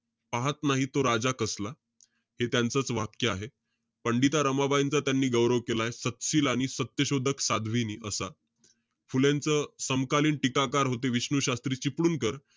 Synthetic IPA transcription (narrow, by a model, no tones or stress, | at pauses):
paɦat̪naɦit̪oɾad͡zakəsla | het̪jant͡sət͡sʋakjəaɦe | pəɳɖit̪aɾəmabajint͡sat̪janːiːɡəwɾəʋkelaesət̪ɕiːlaɽ̃isət̪jəɕod̪ʱəksad̪ʱʋiniːʔəsa | fuljant͡səsəmkaliːnʈikakaɾɦot̪eʋiɕɳuɕast̪ɾiːt͡ɕipɽuːnkəɾ